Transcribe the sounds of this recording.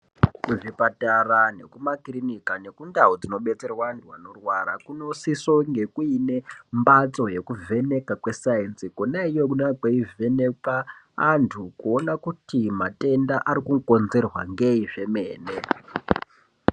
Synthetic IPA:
kuʐipatarane̞̰kumakrinikane̞kundaɦod͡zino̞ɓe̞t͡se̞rwantʰuano̞rwaɾa̰kuno̞sisoŋɡe̞kuine̞mbat͡so̞je̞kuvʱe̞ne̞kakwe̞sainsikonaijokunakweivenekaː | ntʰukuo̞nakutimate̞ndaʔaɾikuko̞nze̞rwa̰ŋɡe̞iʐe̞me̞ːne

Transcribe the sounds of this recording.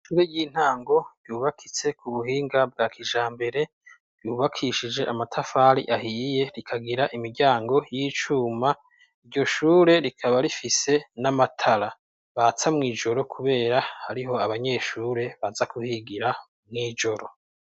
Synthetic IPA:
ʃuːɾe̞jiːn̥haːŋɡo̞j̥uːβakʰit͡se̞kuβuhiːŋɡab̚ɡaːkʰiʒaːmbe̞ɾe̞ | juːβakʰiʃid͡ʒe̞ʔamatʰafaːɾḭʔahije̞ɾikʰaɡiɾaʔimiɾɟaːŋɡo̞jiːt͡ʃuːma | iɾɟo̞ʃuːɾe̞ɾikʰaβaɾifise̞namatʰaɾa | βat͡samŋiːʒo̞ɾo̞kʰuβe̞ːɾahaɾiɦo̞aβaɲe̞ʃuːɾe̞βazakuhiɡiɾa | mŋiːd͡ʒo̞ɾo̞

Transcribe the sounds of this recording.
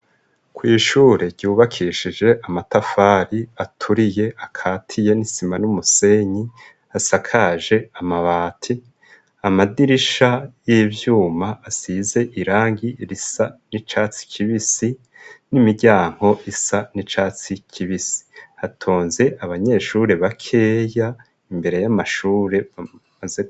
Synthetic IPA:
kwiːʃuːɾe̞ɟ̥uːβakʰiʃid͡ʒe̞ʔamatafaːɾiatʰuɾije̞ʔakʰaːtʰije̞nisimanumuse̞ɲi | asakʰaʒe̞amaβaːtʰi | amadiɾiʃajiːvjuːmaʔːsize̞ʔiɾaːŋɡiɾisanit͡ʃaːt͡si̥kʰiβisi | nimiɟaːŋ̥ho̞ʔisanit͡ʃaːt͡sicʰiβisi̥hatʰoːnze̞ʔaβaɲe̞ːʃuɾe̞βakʰe̞ːja | imbe̞ɾe̞jamaʃuːɾe̞amaze

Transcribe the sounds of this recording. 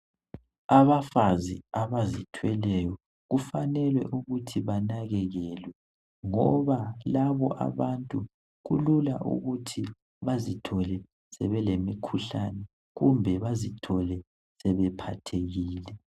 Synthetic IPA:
aβafaziaβazitʰwɛlɛjɔ | ɣufanɛlwɛ̰ʔuɣutʰiβanaɣɛɣɛlwɛ | ŋɔβalaβɔʔa̰βantʼu | ɣṵlulaʔṵɣutʰi | βazitʰɔlɛ | sɛβɛlemikʰuɬanɛ | ɣumbʱɛβazitʰɔlɛ | sɛβɛpʰatʰeɣiːlɛ

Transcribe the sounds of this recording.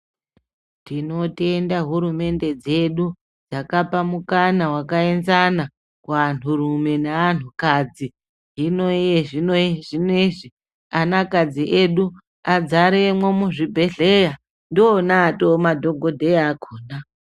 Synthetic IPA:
tino̞tiendaɦuɾume̞nde̞d͡ze̞ɗu | d͡zakapamukanawakae̞nzana | kuan̤urume̞nean̤ukad͡zi | ɦinojeʐinoʐineʐi | anakad͡ziʔeɗu | ad͡zaɾemwomuʐibʱe̞ɮe̞ja | ndoːnaːtomadʱo̞ɡʱo̞dʱejaːkʰoːna

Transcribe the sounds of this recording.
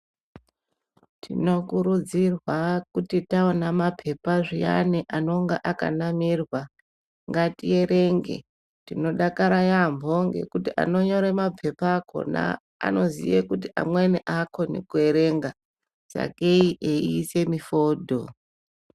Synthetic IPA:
tʰino̞kuɾud͡zirwakutitaonamapʰe̞paʐija̰neʔano̞ŋɡaʔaka̰namirwa | ŋɡatie̞ɾe̞ŋɡe̞̰ | tino̞ɗakaɾajambʱo̞ŋɡe̞̰kutiʔa̰no̞ɲo̞ɾemapʰe̞pako̞̰na̰ː | no̞zḭjekutiʔa̰mweniʔakʰo̞nḛkue̞ɾe̞ŋɡa | d͡za̰keiʔeiːse̞mifo̞ːdʱo

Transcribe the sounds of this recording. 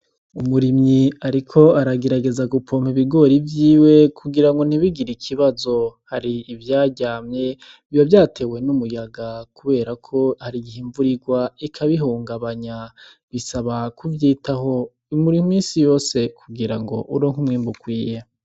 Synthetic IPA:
umuɾimɲiaɾikʰo̞aɾaɡe̞ɾaɡe̞zaɡupʰom̥iβiɡo̞ːɾivjiːwe̞kʰuɡiɾaŋɡo̞n̥iβiɡiɾikʰiβazo̞haɾiːvjaːɟaːmɲe̞ | ijovjaːtʰe̞we̞numujaɡakuβe̞ːɾakʰo̞haɾiɡihiːɱvuɾiɡwaikʰaβiɦuːŋɡaβaɲa | βisaβakuvjiːtaɦo̞ | imuɾiŋumiːnsijo̞ːse̞kʰuɡiɾaŋɡo̞̰ʔuɾoːŋhumŋiːmbukwiːja

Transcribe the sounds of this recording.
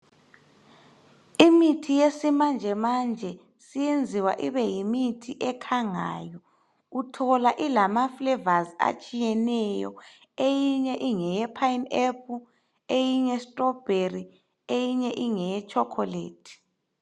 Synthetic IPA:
imitʰijesimand͡ʒʱɛmand͡ʒʱɛ | sijend͡zʱiwa̰ʔiβɛjimitʰiʔɛkʰaŋa̰ːjɔ | utʰɔlaʔilamaflɛvazia̰t͡ʃʼijɛnɛjɔ̰ | ejiɲɛʔiŋɛjɛpʰainɛp̚ʰu | ejiɲɛstʼɔb̥ʱeri | ejiɲɛʔiŋɛjɛt͡ʃʼɔkʰɔlḛːdʰi̥

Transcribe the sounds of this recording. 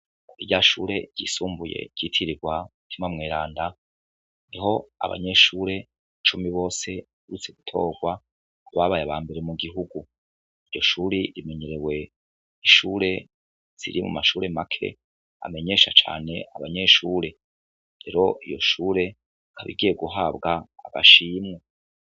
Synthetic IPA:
kuiɟaʃuːɾe̞ɟ̥ḭːsuːmbuje̞̰ɟ̥itʰiɾiɡwautʰimamŋeːɾaːnda | niɦo̞a̰βa̰ɲe̞ʃuːɾe̞ | t͡ʃumiβo̞ːse̞ | uɾut͡se̞ɡutʰo̞ːɡwa | kuβaβajaβaːmbe̞ɾe̞muɡiɦuɡu | ijo̞ʃuːɾiɾime̞ɲe̞ɾewe̞ | iʃuːɾe̞ | z̥ḭɾimṵmaʃuːɾe̞makʰe̞̰ | a̰me̞ɲe̞ʃat͡ʃa̰ːne̞aβaɲe̞ʃuːɾe̞ | ɾe̞ɾo̞ʔijo̞̰ʃuːɾe̞ | kʰaβḭɡijeɡuɦabɡaːɡa̰ʃiːmŋe

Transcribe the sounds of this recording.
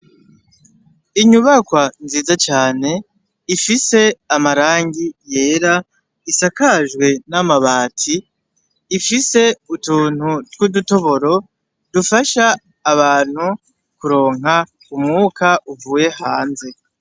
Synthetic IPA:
iɲuβakwanziːzat͡ʃaːne̞ | ifise̞amaɾaːŋɡije̞ːɾa | isakaʒɡwe̞namaβaːtʰiː | fise̞utuːn̥hutwuduto̞βo̞ɾo̞ | dufaʃaː | βaːn̥hu | kuɾo̞ːŋ̥ɦa | umŋuːkaʔuvuːje̞haːnze̞

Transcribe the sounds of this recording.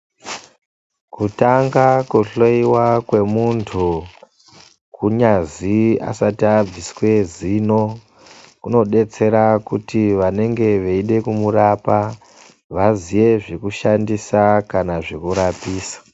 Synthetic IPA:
kutaŋɡakuɬoiwakwe̞muntʰu | kuɲazia̰satiab͡viswe̞zino̞ | kuno̞ɗe̞t͡se̞ɾakutiʋane̞ŋɡe̞ʋeiɗe̞kumurapa | ʋaziʋe̞ʐekuʃandisakanaʐekuɾapiːsḁ

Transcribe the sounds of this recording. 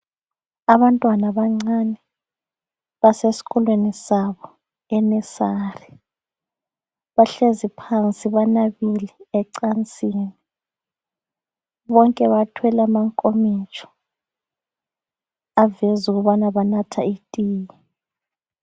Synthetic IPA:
aβantʼwanaβaŋ͡ǀanɛ | βasesi̥ɣɔlwenisaβɔ | ɛnɛsari | βaɬezipʰant͡sʼiβanaβiliɛǀant͡sʼiːni | βɔŋkʼɛβatʰwɛlamaŋkʼomit͡ʃʰʼɔ̥ | avɛzuɣuβanaβanatʰaitʼiːji

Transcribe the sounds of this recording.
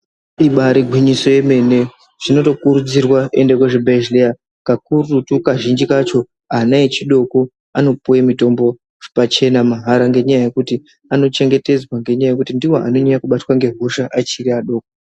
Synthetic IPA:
iɓaɾiɡʱwiɲiso̞je̞me̞ne̞ | ʐ̥ino̞to̞kuɾud͡zirwaendekweʐebʱeʒlea | kakurutukaʒind͡ʒikat͡ʃo̞ | anaet͡ʃiɗo̞ko | ano̞puwemito̞mbo̞ | ʐ̥pat͡ʃe̞namaɦaɾaŋɡe̞ɲajaje̞kuti | ano̞t͡ʃe̞ŋɡe̞te̞d͡zwaŋɡe̞ɲajaje̞kutindiwo̞ʔa̰no̞ɲajakuɓatwaŋɡe̞ɦoʃaʔat͡ʃiriaɗo̞ːko

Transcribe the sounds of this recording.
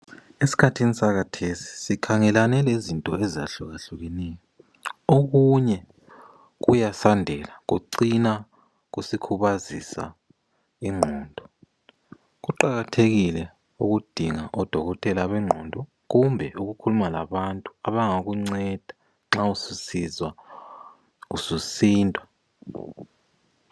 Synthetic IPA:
esi̥kʰatʰinisaɣatʰesi̥sikʰaŋɛlanɛlezintʼɔezia̰ɬuɣaɬuɣɛnɛjɔ | oɣuɲɛ | ɣujasandʱɛlaɣṵǀina | ɣusikʰuβazisa̰ | iŋ͡ǃʱɔːndʱɔ | k̬uǃaɣatʰeɣ̬ilɛ | uk̬ud̥ʱiŋaʔɔd̥ʱɔɣ̬ɔtʰʼɛlaɓɛŋ͡ǃʱɔndʱɔ | k̬umbʱɛʔuk̬ukʰulumala̰ɓantʼuaɓaŋok̬uŋ͡ǀɛd̥ʱḁ | ŋ͡ǁaususizwa | ususiːntʼwa

